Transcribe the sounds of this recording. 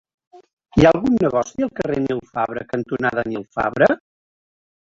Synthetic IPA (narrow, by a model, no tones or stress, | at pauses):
iaəlˠɣunːəɣɔsiəlˠkərenilˠfaβɾəkənt̪unaðənilˠfa̰βɾə